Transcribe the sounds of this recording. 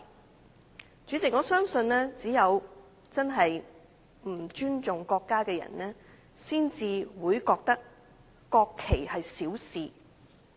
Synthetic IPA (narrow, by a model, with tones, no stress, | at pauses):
t͡ʃyː˨˥t͡sɪ˨kŋɔː˨˧˥sœː˥ŋsɵ˧nɛː˥t͡siː˨˥jɐ˨˧w | t͡sɐ˥nɦɐ˨j | m̩˨˩t͡ʃyː˥nt͡sʊ˨ŋkɔː˧kːaː˥kɛː˧jɐ̰˨˩nɛː˥ | siː˥nt͡siː˨˧wuː˨˧jkɔː˧k̚t̪ɐ˥k̚ː | ɔː˧kʰːe˨˩jhɐ˨jsiː˨˥wsiː˨